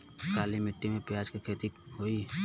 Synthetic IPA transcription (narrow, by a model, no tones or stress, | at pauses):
kaːlimɪʈːimẽpjaːd͡ʒkikʰeːt̪i | ɦoi